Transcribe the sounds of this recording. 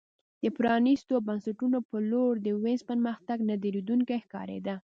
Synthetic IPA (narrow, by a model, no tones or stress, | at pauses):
d̪əpɾɑnist̪obansaʈunopəloɾd̪əwenzpənməxt̪aɡnad̪eɾid̪uŋkajxkɑ̰ɾḛd̪a